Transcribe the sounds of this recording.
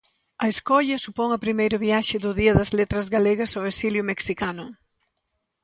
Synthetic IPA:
ɐeskɔʎɐsupɔŋɐpɾimejɾʊβjaʃɪðʊðiɐðɐzlet̪ɾɐzɣaleɣɐsowesiljʊmeksikanʊ

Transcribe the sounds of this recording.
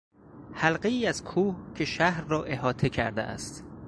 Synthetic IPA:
hælɢeiːæz̥kʰuːhcʰe̞ʃæhɾːɒːʔe̞ɦɒːt̪ʰe̞cʰæ̰ɾd̪ḛʔæ̰st̪

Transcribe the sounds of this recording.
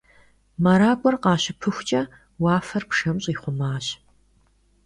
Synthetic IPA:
mɐɾaːkʷʼɔrqɑːɕɪpʰɨxʷt͡ʃʼɐ | wɑːfɐrpʂɐmɕʼiːχʷʊmaːɕ

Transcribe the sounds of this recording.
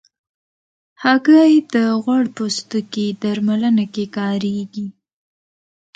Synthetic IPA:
haɡajd̪əɣwaɽpost̪uked̪aɾmalənakekɑɾeɡi

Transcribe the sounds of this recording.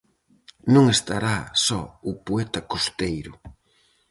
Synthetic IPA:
nũŋest̪aɾasɔʊpoɛt̪ɐkost̪ejɾʊ

